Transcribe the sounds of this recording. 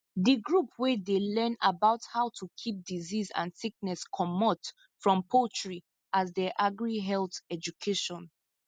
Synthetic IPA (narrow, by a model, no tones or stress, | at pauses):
ðəɡɹupwɛdelɛ̃nabaʊthaʊtʰukʰip̚dizizã̰nsik̚nɛskʰɔmɔt | fɹɔ̃mpʰot͡ʃɹi | azdɛʔaɡɹiɦɛlθɛd͡ʒukʰeʃɔ̃n